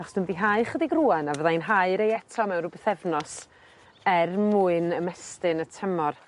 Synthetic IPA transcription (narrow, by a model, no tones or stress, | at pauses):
aχɔsd̥ʊnviɦaɨχədiɡruːanavəðajnɦaɨɾejɛtʰɔmɛwnrʊbɛθɛvnɔs | ɛrmuɨnəmɛstɨnətʰəmɔr